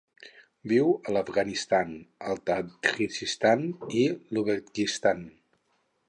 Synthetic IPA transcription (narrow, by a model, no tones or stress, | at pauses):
biwələfɣanist̪anəlˠt̪atkizist̪aniluβəkist̪an